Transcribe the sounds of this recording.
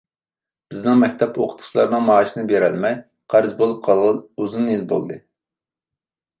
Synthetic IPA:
b̥ɪznɨŋmɛkʲt̪ʰɛpoqʰə̥t̪ʰʊ̥ʃlˠɑ̰ɾnɨŋmɑːʃinɨbeɾɛlmɛj | qʰæɾzbolˠup̚qʰɑlˠʁɑluzunjelbo̰lˠd̪ɨ

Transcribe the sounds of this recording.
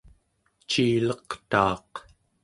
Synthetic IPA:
t͡ʃiːlʌqt̪ɑ̰ːq

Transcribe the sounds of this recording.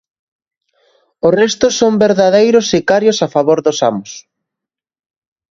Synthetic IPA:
ʊsrɛst̪ʊsombeɾðaðejɾʊsekaɾjʊsafaβoɾðʊsamʊs

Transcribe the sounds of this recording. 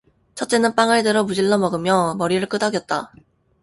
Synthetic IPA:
t͡ɕʰʌt̚t͡ɕ͈e̞nɯnp͈aŋɯɭdɯɾʌmud͡ʑiɭːʌmʌɡɯmjʌmʌɾiɾɯɭk͈ɯdaɡjʌt̚t͈a

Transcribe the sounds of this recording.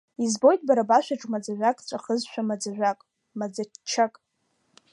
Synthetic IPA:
izbo̞jtʼbaɾabaʃᶣaʈ͡ʂʼmad͡zaʒʷakʼt͡sʷʼaχəzʃᶣamad͡zaʒᶣʷakʼ | mad͡zat͡ʃʰakʼ

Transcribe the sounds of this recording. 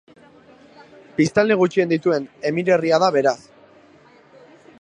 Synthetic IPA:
bist̪ald̪eɣ̞ut͡ʃie̞nd̪it̪ue̞ne̞miɾe̞riaðaβe̞ɾas

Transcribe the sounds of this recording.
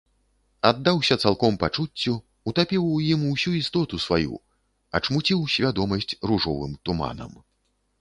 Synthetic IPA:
ad̪ːawsʲɐt̪salˠkɔmpat͡ʂut͡sʲːuː | t̪apʲiwujimusʲuist̪ɔt̪usvajṵ | ɐt͡ʂmut͡sʲiwsʲvʲad̪ɔmɐsʲt͡sʲruʐɔvɨ̰mt̪uma̰nɐ̰m

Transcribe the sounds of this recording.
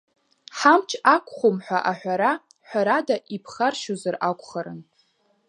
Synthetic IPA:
ħamt͡ʃʰʼakʷʰʼχʷomħʷᶣaʔaħʷᶣaɾa | ħʷᶣaɾadaʔipʰχarʃozarakʷʰʼχaɾɨ̰n

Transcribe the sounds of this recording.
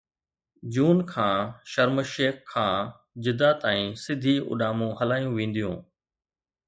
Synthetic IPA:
d͡ʑuːnkʰãːʃəɾməʃeːkkʰːãː | d͡ʑɪd̪at̪aːĩːsɪd̪ʱiːʔʊ̰ɗaːmõːhəlaːjũʋẽːn̆d̪ijũː

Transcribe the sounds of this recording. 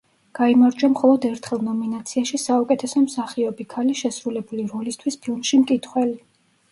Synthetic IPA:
ɡ̥aimaɾd͡ʒamχɔlˠɔd̪ɛɾt̪ʰχɛlˠnɔminat̪sʰiaʃisaukʼɛt̪ʰɛsɔmsaχiɔbikʰaliʃɛsɾulɛbuliɾɔlist̪ʰwispʰilˠmʃimkʼit̪ʰχwɛli

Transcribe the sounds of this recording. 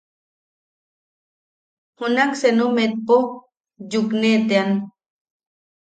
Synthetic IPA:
hunaksenumet̪̚po | d͡ʒuknet̪ean

